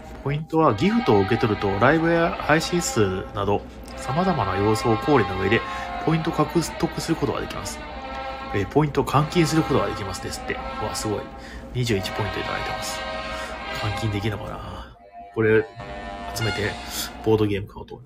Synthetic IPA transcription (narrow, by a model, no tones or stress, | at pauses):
pʰo̞ĩnt̪o̞β̞aɡʲiɸɯ̟t̪o̞ːɯ̟ke̞t̪o̞ɾɯ̟t̪o̞ɾaibɯ̟ahaiɕĩɰ̃sɨːnad̪o̞ | samazamanajo̞ːso̞ːkʰo̞ːɾʲinoɡɯid̪e̞pʰo̞ĩnt̪o̞kakɯ̟t̪ːo̞kɯ̟sɨɾɯ̟ko̞t̪o̞ɡa̰d̪e̞kʲima̰sɨ̥ | epʰo̞ĩnt̪o̞kʰãŋkʲĩɰ̃s̬ɨɾɯ̟ko̞t̪o̞ɡa̰d̪e̞kʲimasɨd̪esɨ̥t̪ːe̞̰a̰sɨɡo̞ḭ | ɲ̟iʑɨːit͡ɕi̥po̞ĩnt̪o̞it̪a̰d̪a̰it̪emasɨ̥ | kʰãŋkʲĩnd̪e̞kʲinokana̰ | ko̞ɾe̞ | at͡sɨme̞t̪e̞b̥o̞ːd̪o̞ɡʲe̞ːmɯ̟kʰaɯ̟t̪o